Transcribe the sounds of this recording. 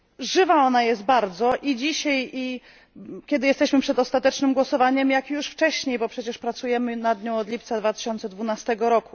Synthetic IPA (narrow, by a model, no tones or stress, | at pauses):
ʐɘvaɔnajɛst̪̚baɾd̪zɔʔid͡ʑiɕaji | kʲɛd̪ɘjɛst̪ɛɕmɘpʂɛd̪ɔst̪at̪ɛt͡ʂnɘmɡwɔsɔvaɲɛmjakjuʂft͡ʂɛɕɲejbɔpʂɛt͡ɕɛʂpɾat̪sujɛmɘnad̪ɲɔ̃w̃ɔd̪lʲip̚t̪sad̪vat̪ɘ̥ɕɔnt̪sɛd̪vunast̪ɛɡɔɾɔku